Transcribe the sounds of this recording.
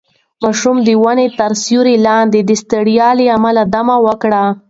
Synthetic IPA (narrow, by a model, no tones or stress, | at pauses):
mɑʃumd̪əwanet̪aɾsjuɾelɑnd̪ed̪əst̪əɽijɑleamalad̪amawəkɽa